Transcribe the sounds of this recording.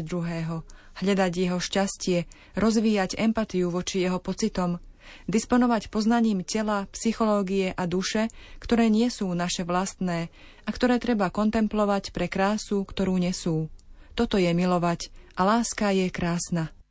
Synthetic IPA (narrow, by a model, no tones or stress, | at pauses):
d̪ɾuɦɛːɦɔ | hʎad̪aɟjɛɦɔʃcascɪɛ | ɾɔzʋiːjaɟɛmpat̪iuʋɔt͡ʃijɛɦɔpɔt͡sit̪ɔmd̪ispɔnɔʋacpɔznaɲiːmcɛlapsixɔlɔːɡijɛʔad̪uʃɛkt̪ɔɾɛːɲɪɛsuːnaʃɛʋlast̪nɛː | ʔakt̪ɔɾɛːt̪ɾɛbakɔnt̪ɛmplɔʋacpɾɛkɾaːsukt̪ɔɾuːɲɛsuːt̪ɔt̪ɔjɛmilɔʋacʔalaːskajɛkɾaːsna